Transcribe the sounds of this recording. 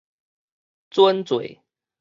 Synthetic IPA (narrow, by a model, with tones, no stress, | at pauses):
t͡swa˦nt͡swḛ˨˦ɪ